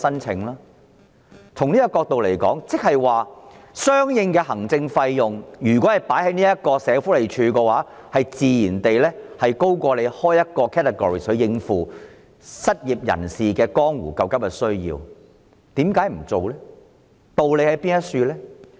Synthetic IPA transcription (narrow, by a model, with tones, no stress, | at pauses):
sɐ˥nt͡sʰɪ˨˧˥ŋlaː˥ | t͡sʰʊ˨˩ŋniː˥kɐ˧kɔː˧k̚t̪o˨wle˨˩jkɔː˨˥ŋt͡sɪ˥k̚hɐ˨jwaː˨˩sœː˥ŋjɪ˧ŋkɛː˧ɦɐ˨˩ŋt͡sɪ˧ŋfɐ˧jjʊ˨ŋjyː˨˩kɔ˨˥hɐ˨jpaː˨˥jhɐ˨˥jniː˥jɐ˥t̚kɔː˧sɛː˨˧fuː˨˥le˨˩jt͡ʃʰyː˧kɛː˧waː˨˥ | hɐ˨jt͡siː˨jiː˨˩nt̪e˨jlɛː˥hɐ˨jko˥wkɔː˧le˨˧jhɔː˥jɐ˥t̚kɔː˧kʰɛː˥tʰɛ˨ɡɔː˨ɹiː˨˩sɵ˨˥ɥjɪ˧ŋfuː˨˧ | sɐ˥t̚jiː˨p̚jɐ̰˨˩nsiː˨kɛː˧kɔː˥ŋwṵː˨˩kɐ˧wkɐ˥p̚kɛ˧sɵ˥ɥjḭː˧w | t̪iː˨˥mkaː˨˥jm̩˨˩t͡so˨wlɛː˥ | t̪o˨wle˨˧jhɐ˨˥jpiː˥njɐ˥t̚syː˧lɛː˥